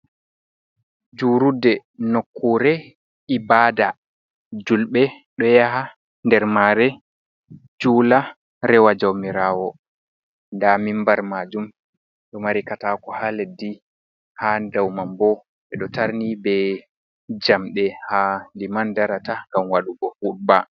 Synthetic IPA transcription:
d͡ʒuːɾudːɛnokʰːuɾɛ | ʔibaːda | d͡ʒulɓɛ | ɗɔjaɦa | ndɛɾmaɾɛ | d͡ʒuːla | ɾɛwad͡ʒawmiɾaːwɔ | ndamimbaɾmad͡ʒum | ɗɔmaɾikatakɔhaledːi | hadawmambɔ | ɓɛɗɔtaɾnibɛ | d͡ʒamɗɛhalimandaɾataŋɡamwaɗuɡɔfuɗ̚ba

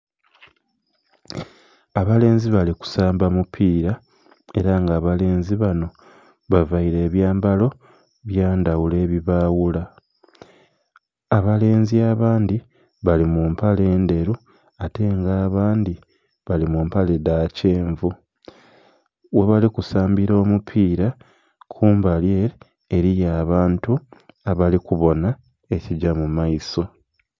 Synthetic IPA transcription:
aβale̞ːnziβaliku̥saːmbamupʰiːɾa | e̞̰ɾaŋɡaːβale̞ːnziβano̞ | βavaiɾe̞ːβjaːmbalo̞ | βjaːndawule̞ːβiβaːwula | aβale̞ːnziaβaːndi | βalimumpale̞ːnde̞ɾu | ate̞ŋɡaːβaːndi | βalimumpale̞dace̞ːɱvu | we̞βalikusaːmbiɾo̞ːmupʰiːɾa | kʰuːmbalje̞ː | ɾijaːβaːntuaβalikuβo̞na | e̞ciɟamumaiso̞

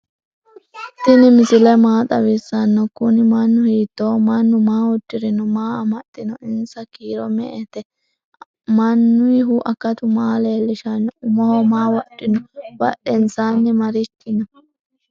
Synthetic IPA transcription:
t̪ɪnɪmɪsɪlɛmaːt̪ʼɐwɪsːɐnːɔkʊnɪmɐnːʊhiːt̪ːoːmɐnːʊmaːwɔd̪ːɪɾɪnɔmaːɐmɐt̪ʼːɪnɔʔɪnsɐkiːɾɔmɛ̰ʔɛt̪ɛ | mɐnːʊɪɦuʔɐkːɐt̪ʊmaːleːlːɪʃɐnːɔʊmɔhɔmaːwɐɗːɪnɔwɐ̰ɗɛnsaːnːɪmɐɾɪtːɪnɔ

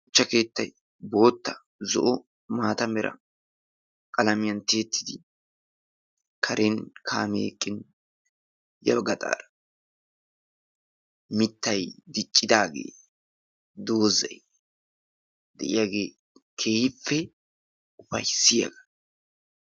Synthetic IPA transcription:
ʊt͡ʃːɐke̞ːt̪ːɐj | bo̞ːt̪ːɐ | zɔ̰ʔɔ | maːt̪ɐmɛɾʔɐ̰ | kʼɐlɐmɪjɐnt̪e̞ːt̪ːɪ̥d̪ɪ | kʰɐɾʔenkʰa̰ːmḛːkʼːɪn | jɐ̰bɡɐt̪ʼa̰ːɾɐ | mɪt̪ːɐjd̪ɪt͡ʃʼːɪd̪aːɡḛː | d̪oːzɐj | d̪ɛʔɪ̰jaːɡe̞ː | kʰe̞ːhɪfːɛ | ʊfɐjsɪjɐ̰ɡɐ

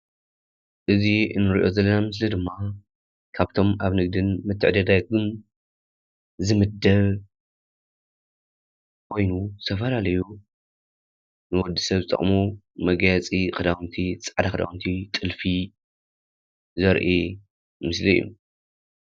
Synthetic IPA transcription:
ʔɨziɨ̰nːɨɾḭʔo̞zɐlːɐnamɨs̬lid̪ɨmːa | kʰaβt̪ʰo̞maβnɨɡd̪ɨnmɨt̪ʰːɨʕd̪ɐd̪aɡɨn | zɨmɨd̪ɐβ | kʰo̞jnut̪ʰɐfɐlalɐju | nɨwɔd̪ːisɐβzɨt̪ʼɐ̰χʼmu | mɐɡajat͡sʼikʼɨd̪awnt̪ʰit͡sʼʕd̪akɨd̪a̰wunt̪ʰit̪ʼɨlfi | zɐɾʔi | mɨslijːṵ

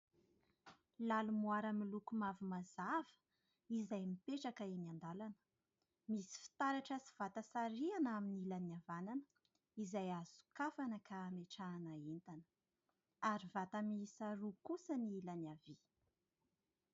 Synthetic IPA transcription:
lalumuaɾamilukumavumazav̥ə̥ | izajmipeʈ͡ʂakəiniand̪alanə̥ | misi̥fi̥t̪aɾaʈ͡ʂəsi̥v̥at̪əsaɾianaminilaniavananə | izajaz̥u̥kafanəkaːmeʈ͡ʂaːnaent̪anə̥ | aɾivat̪əmisaɾukusəniilanavi

